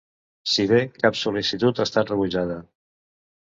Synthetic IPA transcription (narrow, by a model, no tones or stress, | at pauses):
siβekapsulisit̪ut̪ast̪at̪rəβuʒaðə